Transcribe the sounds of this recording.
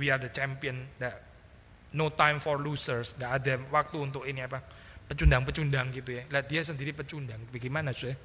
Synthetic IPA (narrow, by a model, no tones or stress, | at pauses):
wiard̪ət͡ʃɛmpiənd̪a | not̪ajmfɔrlusərsŋɡaʔːdawak̚t̪uunt̪ʊkiniapa | pət͡ʃundaŋpət͡ʃundaŋɡit̪ujalaʔd̪iasəndiɾipət͡ʃundaŋbaɡimanasuɛ